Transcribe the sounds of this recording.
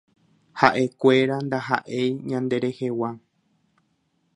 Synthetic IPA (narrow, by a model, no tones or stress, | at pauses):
haʔe̞kʷe̞ɾand̪aɦa̰ʔejɲãnd̪e̞ɾe̞he̞wa